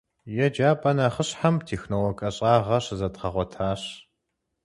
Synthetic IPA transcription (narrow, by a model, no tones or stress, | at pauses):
jɛd͡ʒaːpʼɐnaχəɕħamtʰeːxnowɔkʼɐɕʼɑːʁɐɕzɐtʁɐʁʷɔtʰaːɕ